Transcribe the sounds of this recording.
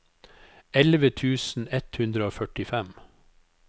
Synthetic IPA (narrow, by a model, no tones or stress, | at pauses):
ɛlʋət̪ʰʉːsn̩ɛt̪hʉnd̪ɾəoːfœʈɪfɛm